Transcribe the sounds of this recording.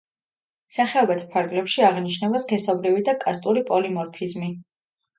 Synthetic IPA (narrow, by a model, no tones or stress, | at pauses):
saχɛɔbɛt̪ʰpʰaɾɡlɛpʃiaʁniʃnɛbaskʰɛsɔbɾivid̪akʼast̪ʼuɾipʼɔlimɔɾpʰizmi